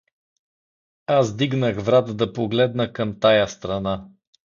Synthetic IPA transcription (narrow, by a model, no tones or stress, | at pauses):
azd̪iɡnəɣvɾat̪d̪ɐpoɡlɛd̪nəkəmt̪ajəst̪ɾɐna